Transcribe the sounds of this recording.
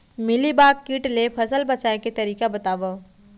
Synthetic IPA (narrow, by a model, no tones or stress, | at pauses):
mɪlibaːkːiːʈlepʰɐsəlbɐt͡ʃaːeket̪ɐɾiːkabɐt̪aːʋa